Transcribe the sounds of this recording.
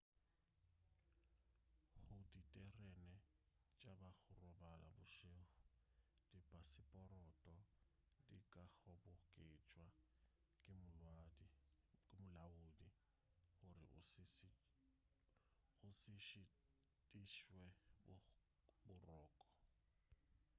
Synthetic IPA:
ɣʊditʼɛrɛnɛ | t͡ʃʼabaɣʊrɔbala̰bʊʃeːχʊd̥ipʼasɪpʼɔrɔtʼɔ | dḭkʼaɣɔbʊkʼet͡ʃʼwa | kʼɪmʊlwadikʼɪmʊlaʊdi | ɣʊrɪ̰ | ɣʊsɪʃɪ | tʼiʃwɛb | bʊrɔːkʼɔ̥

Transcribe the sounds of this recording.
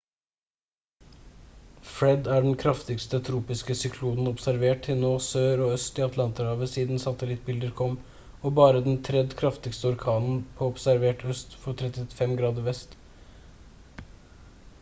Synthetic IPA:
fɾɛd̪æːɖɛnkʰɾɑft̪ɪɡst̪ət̪ʰɾuːpɪskəsʏkʰluːnn̩ɔpsæɾʋeːʈtʰɪnoːsøːɾɔœst̪ɪɑt̪ʰlɑnt̪əɾhɑːʋəsiːd̪n̩sɑt̪əlɪt̪̚bɪld̪əɾkʰɔmː | ɔbɑːɾəd̪ɛnt̪ʰɾɛd̪kʰɾɑft̪ɪɡst̪əɔɾkʰɑːnn̩pʰɔɔpsæɾʋeːʈʰœst̪fɔʈ̪ʰɾɛt̪ɪfɛmɡɾɑːd̪əɾʋɛst̪

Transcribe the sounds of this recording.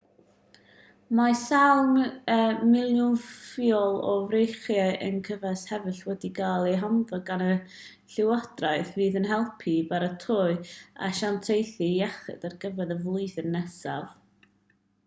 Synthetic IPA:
masalˠməmɪlˠjʊnfiɔlˠɔvrejχjaɨʔə̰nkʰəvɛshɛvɨɬwɛdiɡalˠiɦanðɔɡanə | ɬɪwɔd̥raɨθviːðənɦɛlˠpʰibaɾətʰʊɨa̰ʃantʰejθijaχɛ̰darɡəvɛðəvlˠʊɨθənːɛsav

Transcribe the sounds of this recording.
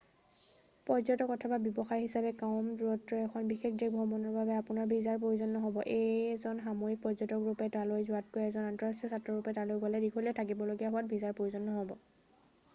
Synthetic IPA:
pɔzɔtɔkɔtʰɔbabjɔbɔxajɦisabɛkaʊmduɹɔtɹɔɛkʰɔnbixekʰdekbʱɔbɔnɔɹbabɛapʊnaɹbʱizaɹpɹoizɔnːɔɦɔbɔʔezɔnxamoik̚pɹɔzɔtɔkɹupɛtalojzʊatkojɛzɔnantɔɹasɛsatɹɔɹupɛtalojɡalɛdikʰolɛtʰakibɔloɡijaɦʊwat̚bʱizaɹpɹoizɔnːɔɦɔbɔ

